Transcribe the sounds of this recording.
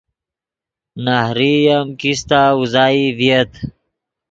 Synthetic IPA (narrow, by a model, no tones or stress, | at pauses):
nahɾijamkist̪auzaːiviet̪